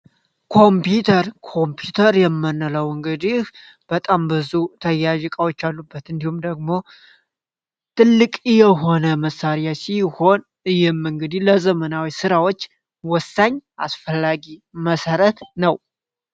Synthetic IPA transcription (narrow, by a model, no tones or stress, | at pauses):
kʰo̞mpjut̪ʰəɾkʰo̞mpʰjut̪ʰəɾjɛmːɨnːələwɨŋɡɨd̪ih | b̥ət̪ʼambɨzut̪ʰəjːaʒkʼawot͡ʃːalːubːət̪ɨnd̪ihumd̪əɡ̚mo̞ | t̪ʰɨlːɨkʼjɛɦo̞nəməsːaɾjasiho̞n | ɨjɪmɨŋɡɨd̪iləzəmənawisɨɾawo̞t͡ʃː | wɔsːaɲːʔa̰sfəlːaɡiməsəɾət̪nəw